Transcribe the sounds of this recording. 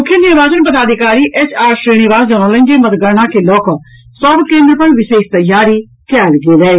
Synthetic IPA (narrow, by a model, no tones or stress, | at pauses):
mʊkʰːjənɪɾʋaːd͡ʒənpəd̪aːd̪ɪkaːɾiːʔɛːt͡ʃaːɾsɾiːñɪʋaːsd͡ʒəːnõːlə̃ɲd͡ʒeːmət̪ɡəɾnãːkeːlɔːkː | sɔbkẽːnd̪ɾəpənʋɪʃeːkt̪əjaːɾiː | kɛːlɡeːlɛːeː